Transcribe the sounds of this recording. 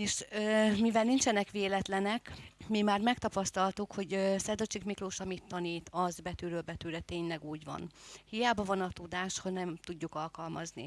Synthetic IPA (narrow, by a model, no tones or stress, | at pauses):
eːʃøːmivɛlnint͡ʃɛnɛkʋeːlɛt̪lɛnɛkmimaːrmɛkt̪ɒpɒst̪ɒlt̪ukho̞ɟøsɛd̪ot͡ʃikmikroːʃɒmit̪ːɒniːt̪ɒzbɛt̪yːɾøːlbɛt̪yːɾɛt̪eːɲlɛɡuːɟʋɒ̰nhijaːbɒvɒnɒt̪ud̪aːʃhoɟnɛmt̪uɟːukɒlkɒlmɒznḭ